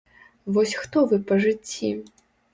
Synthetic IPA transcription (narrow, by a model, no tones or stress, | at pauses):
vɔsʲxt̪ɔvɨpɐʐɨt͡sʲːi